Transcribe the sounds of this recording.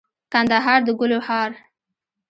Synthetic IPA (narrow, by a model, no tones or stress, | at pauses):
kand̪aɦɑɾd̪əɡʊlohɑɾ